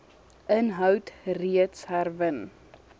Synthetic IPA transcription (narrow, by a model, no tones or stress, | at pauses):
ʔənɦœwtriətsɦærvən